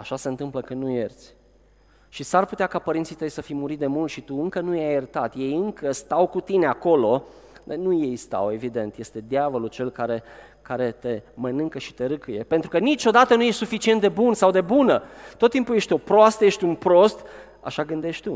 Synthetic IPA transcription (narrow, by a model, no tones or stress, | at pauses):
a̰ʃaseɨnt̪ɨmpləkɨnnːujert̪sʲ | ʃisarput̪eakapəɾint̪sijt̪əjsəfijmuɾit̪̚d̪e̞mult̪ʃit̪uɨŋkənujajərt̪at̪je̞jɨŋkəst̪awkut̪ine̞ako̞lo̞ | d̪nuje̞jst̪a̰we̞vid̪e̞nt̪je̞st̪e̞d̪ʲjavəlut͡ʃe̞lkaɾe̞ | kaɾe̞t̪e̞mənɨŋkəʃi̥t̪e̞ɾɨkɨje̞̰pe̞nt̪ɾukənit͡ʃo̞d̪at̪ənuje̞ʃt̪sufit͡ʃie̞nt̪̚d̪e̞bunsawd̪e̞bunət̪ot̪ːimpuje̞ʃt̪ʲo̞pɾoast̪əje̞ʃt̪ʲunpɾo̞st̪ | a̰ʃaɡɨnd̪e̞ʃʲt̪u